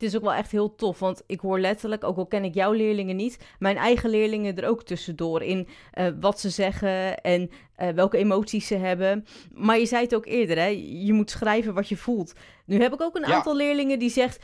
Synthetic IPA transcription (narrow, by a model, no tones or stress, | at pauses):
ətɪs̬owkʋɛlˠʔɛχtɦɪːlˠtɔfʋɑntɪkɦoːɹlɛtələkowkɔlˠkɛnɪkjawlɪːɹlɪŋənːitmɛjnʔɛjχəlɪːɹlɪŋədəɾowktɵsəndoːrɾɪn | ʔəʋɑtsəzɛχəɛn | ʔəʋɛlˠkəemowtsisːəɦɛbə | maːɹjəzɛjətowkɪːɹdərɦɛjəmutsχrɛjvənʋɑtjəv̥ulˠt | nyɦɛpɪkowkənaːntɑlˠlɪːɹlɪŋəndizɛχt